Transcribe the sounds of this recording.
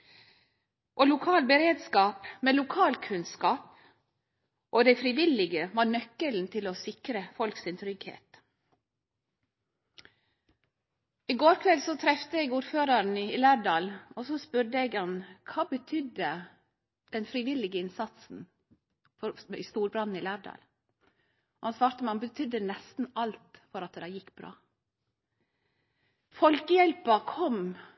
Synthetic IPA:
ʔoːlʊkʰɑːlbəɾeːd̪skɑːpmeːlʊkʰɑːlkʰʉnskɑːp | ʔoːd̪æɪfɾɪʋɪlɪɡəʋɑːnœkːəln̩t̪ʰɪlosɪkɾəfɔlksɪnt̪ʰɾʏɡhḛːt̪ | iːɡoːɾkʰʋɛlsɔt̪ʰɾɛft̪əeːɡuːɾføːɾəɾn̩ɪlæːɖɑːlɔsɔspʉɾd̪əɛɡhɑnkʰɑːbət̪ʰʏd̪ə | d̪̥ɛnfɾiʋɪlɪɡəɪnsɑt̪sn̩ | fɔɾɪ̰st̪uːɾbɾɑnn̩ɪlæːɖɑ̰ːl | ɔhɑnsʋɑːɾt̪əmɛɑnbət̪ʰʏd̪ːənɛst̪n̩ɑlt̪fɔɾɑt̪̚d̪æɪjɪkːbɾɑ̰ː | fɔlkəjɛlpəkʰɔm

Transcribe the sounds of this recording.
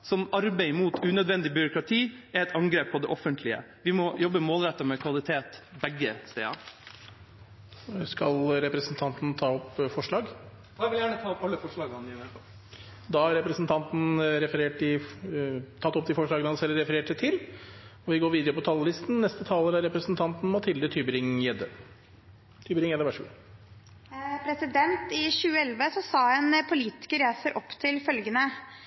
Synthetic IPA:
sɔmɑɾbeɪmuːt̪ʰʉnœd̪ʋɛnd̪ɪbʏɾʊkɾɑt̪ʰiːæɾɛt̪ʰɑŋɡɾeːpʰːɔd̪ɛʔɔfənt̪ʰlɪə̰ | ʋɪmɔjɔbːəmoːlɾɛt̪ːəmɛkʰʋɑlɪt̪ʰeːt̪bɛɡːəst̪ḛːɑ̰ | skɑlɾɛpɾɛsənt̪ʰɑnt̪n̩t̪ʰɑːɔpfɔʂɭɑːɡ | d̪ɑʋɪljæːɳət̪ʰɑːɔpɑlːəfɔʂɭɑːɡɑnɪnɛɑ | d̪ɑːhɑɾɛpɾɛsnt̪ʰɑnt̪n̩ɾɛfəɾeːʈɪ | t̪ʰɑt̪ːɔp̚d̪ɪfɔʂɭɑːɡənəhɑnsɛlːɾɛfəɾeːʈsɛt̪ʰɪl | ɔʋɪɡoːɾʋiːd̪əɾəpɔt̪ʰɑlːəlɪst̪n̩nɛst̪ət̪ʰɑːləɾæɾɛpɾəsnt̪ʰɑnt̪n̩mɑt̪ʰɪld̪ət̪ʰybəɾɪŋjɛd̪ə | t̪ʰyːbəɾɪŋjɛd̪əʋæʂɡʉ̰ | pʰɾɛsɪd̪ɛnt̪ɪçʉːəɛlʋəsɔsɑːɛnpʰʊliːt̪ɪ̥kəɾæːsəɾʔɔpːt̪ʰɪlfœlɡənə

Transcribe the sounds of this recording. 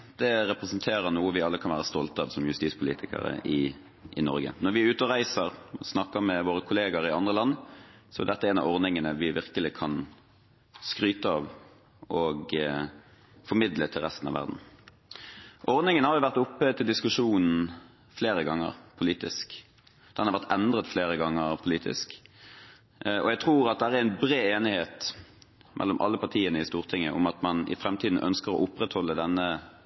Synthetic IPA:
d̪ɛɾɛpɾɛsənt̪ʰeːɾəɾnuːəʋɪɑlːəkʰɑnʋæːʁəst̪ɔlt̪əɑʋsɔmjʉst̪iːtspʰʊlḭːt̪ʰɪkə̰ɾə̰ɪ | ʔɪ̰nɔ̰ɾɡə̰nɔɾʋɪʉːt̪ɔʁæɪsəɾɔsnɑkːəɾmɛʋoːɾəkʰʊleːɡəɾɪɑnd̪ʁəlɑnːsɔɛ̰d̪ɛt̪ːəɛɪnɑ̰ʋɔʁd̪ɪŋənəʋɪʋɪʁkəlɪkʰɑn | skɾyːt̪əɑʋ | ɔɡ | fɔɾmɪd̪lət̪ʰɪlʁɛst̪n̩ɑ̰ʋæ̰ʁd̪n̩ | ʔɔʁd̪nɪŋənəhɑʁjʊʋæʁt̪ʊpːət̪ʰɪld̪ɪskʉʂuːnn̩ | fleːɾəɡɑŋːə̰ʁpʰʊliːt̪ɪ̰sk | d̪̥ɛnhɑʁʋæɾt̪ɛnd̪ʁət̪fleːʁəɡɑŋːəʁpʰʊliːt̪ʰɪ̰sk | ɔ̰jæɡt̪ʰʁuːɾɑt̪̚d̪ɛææːææɪnbɾeːeːnɪheːt̪ | mɛ̰lːɔmʔɑ̰lːəpɑʁt̪ʰiːənəɪst̪uːʁt̪ʰɪŋːəʔʊ̰mɑt̪mɑnɪ̰fʁɛmt̪ʰiːd̪n̩ʔœ̰nskəʁɔ̰ʔʊpːʁɛt̪hɔlːəd̪ɛnːə

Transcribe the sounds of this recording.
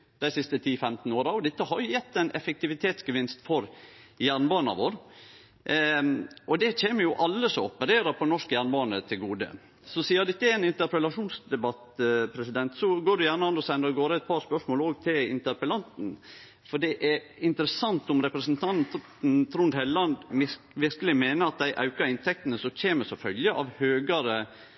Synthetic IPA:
d̪æɪsɪst̪ət̪ʰiːfɛmt̪n̩oːɾɑɔd̪ɪt̪ːəhɑɾjʊjɛt̪ːæɪnʔɛfək̚t̪ɪʋɪt̪ʰeːt̪sɡəʋɪnst̪fɔɾjæːɾɳbɑːnɑ̰ʋoːɾ | ʔɔd̪ɛc͡çeːməjʊʔɑlːəsɔɔpəɾeːɾɑpʰɔnɔʂkəjæːɾɳbɑːnət̪ʰɪlɡuːd̪ə̰ | sɔsiːɑd̪ɪt̪ːəɛɛɪnɪnt̪əɾpəlɑʂuːnsd̪ɛbɑt̪pʰɾɛsɪd̪ɛnt̪sɔɡoːɖʉjæːɾɳəɑnd̪ɔsɛnd̪əɾɔɡoːɾəɛt̪̚pʰɑːɾspœʂmoːloːɡ̚t̪ʰɪlɪ̰nt̪əɾpəlɑnt̪n̩ | fɔɖɛʔɛɾɪnt̪əɾəsɑnt̪ɔmɾɛpɾəsnt̪ʰɑn | n̩t̪ʰɾʊnd̪hɛllɑnd̪ | ʋɪɾkəlɪmeːnəɑt̪̚d̪æɪʔɑʉkɑɾɪnt̪ʰɛk̚t̪nəsɔc͡çʰeːməsɔfœlɡ̪əʔɑʋhøːɡɑɾə

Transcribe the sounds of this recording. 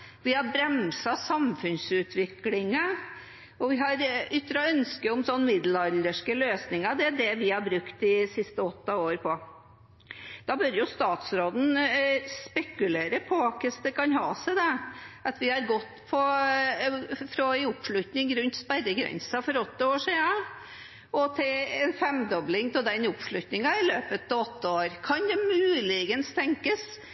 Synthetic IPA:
ʋɪhɑbɾɛmsɑsɑmfʉnsʉːt̪ʰʋɪklɪŋə | ɔʋɪɦɑɾʏt̪ːəɾɑœnskəʊmsɔnːmɪd̪lɑld̪əʂkəløːsnɪŋɑd̪ɛæd̪ɛʋɪhɑɾbɾʉkt̪ɪsɪst̪əɔt̪ːɑoːɾpʰɔ | d̪̥ɑbœɾjʊst̪ɑːt̪sɾoːd̪n̩spɛkʉleːɾəpʰɔɑkəsd̪ɛkɑnhɑːsɛɪd̪ɛɑt̪ʋɪhɑɾɡɔt̪ːpʰɔ | fɾɔæɪʊpːʂɭʉt̪nɪŋɾʉnt̪spæɾːəɡɾɛ̰nsɑfɔɾɔt̪ːəoːʂiːɑ | ɔt̪ʰɛɛnfɾɛmd̪ɔblɪŋt̪ʰɔld̪ɛnʊpʂɭʉt̪nɪŋɑɪløːpət̪ɔt̪ːəoːɾkʰɑnd̪ɛmʉːlɪɡənst̪ʰɛŋkəs

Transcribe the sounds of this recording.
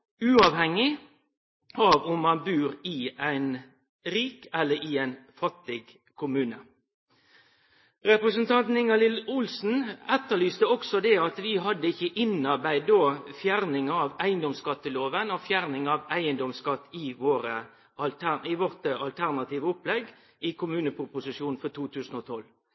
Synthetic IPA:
ʉːɑːʋhɛŋːɪ | ʔɑʋɔmːɑnbʉːɾɪæɪn | ɾiːkɛlːəɾɪæɪnfɑt̪ːɪɡ | kʰʊmʉːnə | ʁɛpɾəsənt̪ʰɑnt̪n̩ɪŋɑlɪlʊlsn̩ɛt̪ːəɭyːst̪əɔksɔd̪ɛɑt̪ʋɪɦɑd̪ːəɪçːəʔɪnɑɾbæɪd̪oːfjæɾnɪŋɑʋæɪənd̪ɔmskɑt̪ːəloːʋənɔfjæɾnɪŋɑʋæɪənd̪ɔmskɑt̪ːɪʋoːɾə | ɑlt̪ʰænɪʋɔʁt̪əɑlt̪ʰæʁnɑt̪iːʋəʊplɛɡ | ɪkʰʊmʉːnəpʰʁʊpʊsɪʂjuːnfɔt̪ʰuːt̪ʰʉːsn̩oːt̪ʰɔl

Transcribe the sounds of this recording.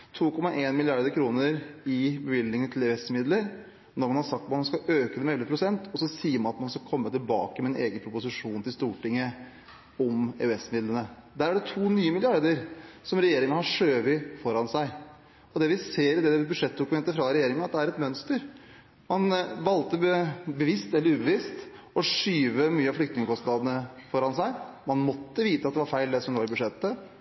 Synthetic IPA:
t̪ʰuːkʰɔmɑʔeːnmɪlɪɑɾd̪əɾkʰɾuːnəɾɪbəʋɪlːnɪŋənt̪ʰɪlɛʉɛsmɪd̪ləɾ | nɔɾmɑnhɑɾsɑkt̪mɑnɑnskɑʔøːkəd̪ɛmɛɛlːəpʰɾʊsɛnt̪ʰɔsɔsiːəɾmɑnɑt̪mɑnɔskɑkʰɔmːət̪ɪlbɑ̰ːkəmɛɛnʔeːɡənpʰɾʊpʊsɪʂuːnt̪ʰɪlst̪uːʈɪŋːə | ɔmɛ̰ʉɛsːmɪd̪lənəd̪æːɾæɖɛt̪ʰuːnyːəmɪlɪɑɾd̪əɾsɔmɾɛjeːɾɪŋəhɑʂøːʋɪfɔɾɑnsæɪ | ɔd̪ɛʋɪseːɾɪd̪ɛɛbʉdʂɛt̪̚ːd̪ʊkʉmɛnt̪əfɾɑɾɛjeːɾɪŋənɑt̪̚d̪ɛæɾɛt̪mœnst̪əɾ | mɑnʋɑlt̪əəbəʋɪst̪ɛlːəɾʉːbəʋɪst̪ | ɔʂyːʋəmyːəɑʋflʏkt̪nɪŋəkʰɔst̪nɑːd̪ənəfɔɾɑnsæɪmɑnmɔt̪ːəʋiːt̪əɑt̪d̪ɛʋɑɾfæɪld̪ɛsɔmloːɾɪbʉd̪ʂɛt̪ːə

